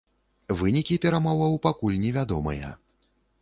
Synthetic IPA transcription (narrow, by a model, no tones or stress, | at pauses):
vɨnʲikʲipʲɛɾamɔvɐwpakulʲnʲɛvʲad̪ɔmɨ̰jɐ̰